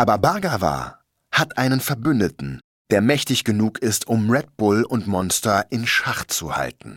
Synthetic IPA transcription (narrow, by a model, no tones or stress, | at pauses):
ʔaːbɐbaɐɡava̰ː | hatʔaɪnənfɛɐbʏndətn̩ | d̥eːɐmɛçtɪçɡ̥ənuːkʰɪstʰʊmʁɛd̚b̥ʊlʊntmɔnstɐʔɪnʃaχtt͡suha̰ltn̩